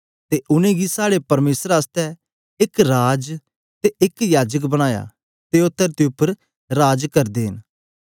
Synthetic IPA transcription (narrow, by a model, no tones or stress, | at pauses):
t̪eʔʊnẽɡisaːɽepɐɾmeːsəɾaːst̪ɛ | ɪkɾaːd͡ʒ | t̪eɪkjaːd͡ʒək̬bɐɽ̃aːja̰ː | t̪eʊt̪ːəɾt̪iʊpːəɾ | ɾaːd͡ʒkɐɾd̪eːɦɪn